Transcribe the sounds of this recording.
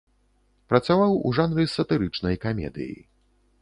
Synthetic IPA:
pɾɐt̪savawṵʐanɾɨsɐt̪ɨɾɨt͡ʂnɐjkamʲɛ̰d̪ɨ̰jḭ

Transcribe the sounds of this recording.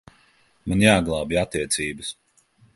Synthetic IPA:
manjaːɡlˠaːbiat̪ːiɛt̪sʲiːbəs

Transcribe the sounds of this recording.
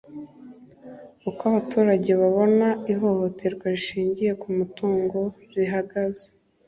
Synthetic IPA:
ukwaβatʰuːɾaɟe̞βaβo̞naiɦo̞ho̞tʰe̞ɾɡwaɾiʃiːɲɟije̞kumutuːŋɡo̞ | ɾiɦaɡaze̥

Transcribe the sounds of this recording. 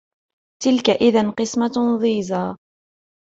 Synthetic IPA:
t̪ɪlkaʔɪðanqɨsmaðˤiːzaː

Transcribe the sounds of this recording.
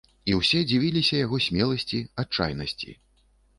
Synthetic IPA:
iwsʲɛd͡zʲivʲilʲisʲɐjaɣɔsʲmʲɛlˠɐsʲt͡sʲiat͡ʂa̰jnɐsʲt͡sʲḭ

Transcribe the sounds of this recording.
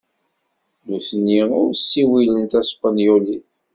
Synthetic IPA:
nuθənːiʊɾsːiwilənt̪æspənjuliθ

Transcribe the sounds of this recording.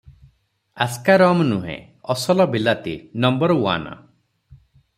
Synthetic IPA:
askaɾɔmnuɦḛ̃ | ɔsɔlɔbilat̪inɔmbɔɾɔwa̰nɔ̰

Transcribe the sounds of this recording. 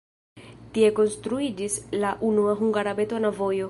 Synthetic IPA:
t̪iekonst̪ɾuid͡ʒislaʔunuaɦuŋɡaɾabet̪onavojo

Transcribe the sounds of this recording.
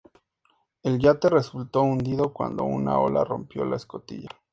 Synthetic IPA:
e̞lʝat̪e̞re̞sult̪o̞und̪iðo̞kwa̰nd̪o̞una̰o̞la̰ro̞mpjo̞laesko̞t̪ḭʝa

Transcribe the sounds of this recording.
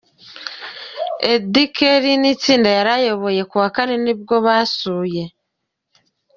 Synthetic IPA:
edikeɾinit͡siːndajaɾajo̞βo̞je̞kuβakaneniβɡo̞βasuːje̞

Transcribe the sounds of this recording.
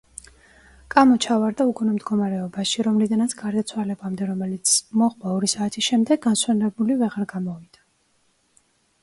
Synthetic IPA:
kʼamɔt͡ʃʰavaɾd̪aukʼunɛmd̪ɡɔmaɾɛɔbaʃiɾɔmlid̪anat̪sʰɡaɾd̪at̪sʰwalɛbamd̪ɛɾɔmɛlit̪sʰmɔʁvaɔɾisaːt̪ʰisʃɛmd̪ɛɡːanswɛnɾɛbulivɛʁaɾɡamɔvid̪a

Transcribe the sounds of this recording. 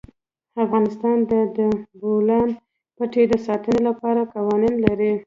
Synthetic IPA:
afɣɑnɪst̪ɑnd̪əd̪əbolɑn | pəʈed̪əsɑt̪ənelapɑɾaqɑwɑninlaɾi

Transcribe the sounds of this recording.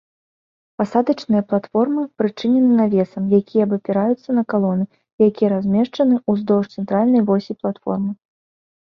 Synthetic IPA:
pasad̪ɐt͡ʂnɨjɐplˠat̪fɔrmɨpɾɨt͡ʂɨnʲɛnɨnavʲɛsɐmjakʲʰijɐbɐpʲɛɾajut̪sːɐnɐkalˠɔnɨ | jakʲijɐɾazʲmʲɛʂt͡ʂɐnɨuzd̪ɔwʂt̪sɛnt̪ɾalʲnɐjvɔsʲiplˠat̪fɔ̰rmɨ

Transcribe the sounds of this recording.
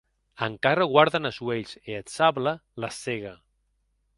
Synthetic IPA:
əŋkaɾəɣwaɾðənəzweʎseətsaβlələseɣ̞aə

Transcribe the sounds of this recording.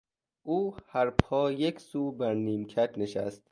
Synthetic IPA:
ʔuːhæɾpʰɒːjekʰsuːbæɾniːmkʰæt̪ʰneʃæst̪̚

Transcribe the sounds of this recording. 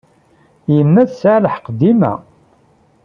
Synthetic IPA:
jənːæðsaʕləħqəd̪ːimæ̰

